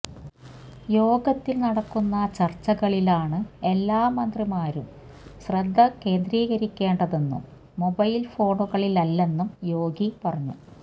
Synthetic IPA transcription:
jo̞ːɡɐt̪ːilnɐɽɐkːunːɐt͡ɕɐrt͡ɕːɐɣɐɭilaːɳɨe̞lːaːmɐnd̪rimaːɾum | ɕrɐd̪ʱːɐke̞ːnd̪ɾiːɣɐɾikʲːe̞ːɳɖɐðenːṵmː | obɐjlfo̞ːʈoɣɐɭilɐlːe̞nːumjo̞ːɡipɐrɐɲːu

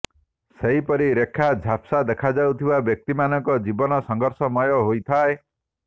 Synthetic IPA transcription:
seɦipɔɾiɾekʰːad͡ʒʱapsad̪ekʰad͡ʒawt̪ʰibabjɔk̚t̪imanɔŋkɔd͡ʒibɔnɔsɔŋɡɔɾsɔmɔjɔɦojt̪ʰae

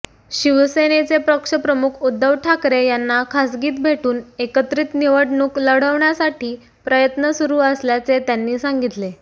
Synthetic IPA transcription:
ɕiʋsenet͡sepɾəkʂəpɾəmukʰud̪ʱːəʋʈʰakɾejanːakʰasɡiːt̪̚bʱeʈuːnekət̪ɾiːt̪niʋəɽɳuːkləɽ̤əʋɳjasaʈiː | pɾəjət̪nəsuɾuːəsljat͡set̪janːiːsaŋɡit̪le

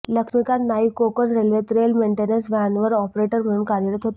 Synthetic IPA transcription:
ləkʂmikat̪naɦikokənɾelʋet̪ɾelmeɳʈenənsʋanʋəɾɔpɾeʈəɾm̤əɽuːnkaɾjəɾət̪ɦot̪

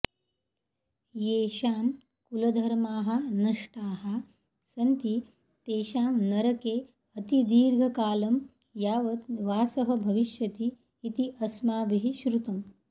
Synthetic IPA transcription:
jeːʃaːm | kulɐd̪ʱɐɾmaːɦɐ̆nɐʂʈaːɦɐ | sɐnt̪i | t̪eːʃaːmnɐɾɐkeː | ɐt̪id̪iːɾɡʱɐkaːlɐm | jaːʋɐt̪ʋaːsɐɦɐbʱɐʋiʃjɐt̪iː | t̪iʔɐsmaːbiɦiʃɾut̪ɐm

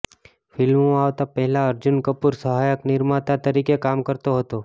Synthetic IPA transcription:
fʰɪlmõaʋt̪apɛɦɛlaəɾd͡ʒʊnkəpuɾsəɦajəknɪɾmat̪at̪əɾikekamkəɾt̪oɦət̪o

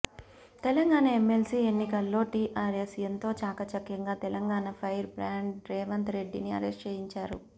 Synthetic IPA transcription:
t̪ɛlɐŋɡaːɳɐemːelsiːenːikɐlːo̞ːʈiːʔaːɾesijɐnt̪o̞ːt͡ʃaːkɐt͡ʃɐkːɐŋɡaːt̪ɛlɐŋɡaːnɐpʰɐjɾbɾaːɳɖɾɛːʋɐnt̪ɐɾe̞ɖːiniɐ̰ɾɛst͡ʃeːɦiɲt͡ʃaːɾṵ

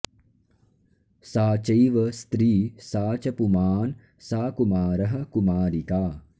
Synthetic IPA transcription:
saːt͡ʃɐjʋɐst̪ɾiːsaːt͡ʃɐpumaːn | saːkumaːɾɐɦɐ̆kumaːɾikaː

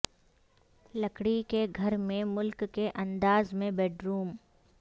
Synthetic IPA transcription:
lɐkɽikeɡʱɐɾmẽmʊlkːeʔɐ̃nd̪aːzmẽbɛːɖɾuːm

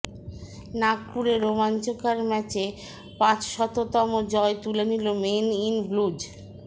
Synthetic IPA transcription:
nak̚puɾeɾomant͡ɕokaɾmɛt͡ɕe | pãt͡ɕʃɔt̪ot̪ɔmod͡ʑɔet̪ulenilomeninblud͡ʑ

